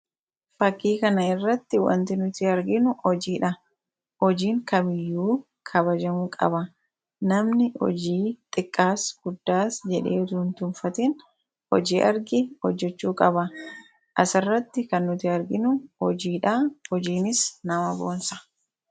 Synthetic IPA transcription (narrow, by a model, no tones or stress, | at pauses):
fɐkːiːkɐnɐɪrːɐt̪ːɪwɐ̰nt̪ɪnʊt̪ɪɐɾɡɪnʊɔd͡ʒiːᶑɐ | hɔd͡ʒiːŋkɐmɪjːuː | kʰɐbɐd͡ʒɐmuːkʼɐ̰bɐ | nɐmnɪhɔ̰d͡ʒiːt̪ʼɪkʼːaːsɡ̥ʊd̪ːaːsd͡ʒɛᶑe̞̰ːd̪ʊnt̪ʊnfɐt̪ɛn | hɔ̰d͡ʒiːʔɐɾɡɪhɔd͡ʒːɛt͡ʃːuːkʼɐbɐ | ʔɐsɐrːɐt̪ːɪkɐnːʊt̪ɪɐɾɡɪnʊhɔ̰d͡ʒiːᶑɐhɔd͡ʒiːnɪsnɐmɐboːnsɐ̥